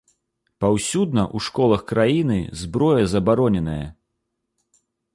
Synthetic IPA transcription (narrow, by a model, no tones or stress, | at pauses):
pawsʲud̪̚nɐʔuʂkɔlˠɐxkɾajinɨ̰zbɾɔjɐzɐbaɾɔnʲɛnɐjɐ̰